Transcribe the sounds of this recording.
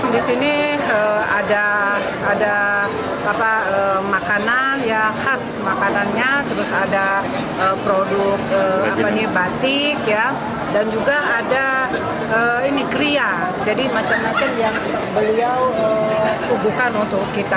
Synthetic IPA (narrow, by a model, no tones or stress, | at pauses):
disiniəadaː | daː | paəmakananjahas | makananɲat̪əɾʊsada | əpɾodʊk̚əapaɲibat̪ɪkja | dand͡ʒuɡaːda | əinikɾia | d͡ʒadimat͡ʃamːat͡ʃamjaŋ | bəliawəsubukanunt̪ʊkːit̪a